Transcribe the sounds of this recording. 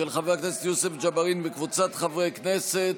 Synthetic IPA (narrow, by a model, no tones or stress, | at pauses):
elχaveakneset̪jusefd͡ʒabaʁinvekvut͡sat̪χavʁejkneset̪